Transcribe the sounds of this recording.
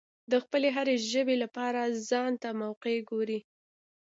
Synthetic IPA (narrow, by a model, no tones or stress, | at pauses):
d̪əxpəleɦaɾeʒəbelapɑɾazɑnt̪amawqeɡoɾi